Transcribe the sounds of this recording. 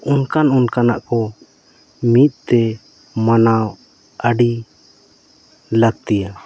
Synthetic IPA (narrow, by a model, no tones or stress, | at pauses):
unkanunkanaʔkɔ | mit̪̚ˀt̪ɛ | manaw | əɖi | laɡ̚t̪ija